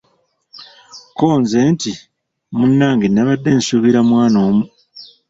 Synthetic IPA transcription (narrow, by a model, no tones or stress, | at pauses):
koːnze̞ːnti | munːaːŋɡinːaβadːe̞ːnsuβiɾamwaːno̞ːmu